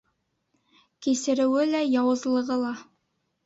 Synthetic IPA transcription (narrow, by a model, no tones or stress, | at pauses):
kisɘ̆ɾɘ̆wɘlæjɑwɤ̆zlˠɤ̆ʁɤlˠɑ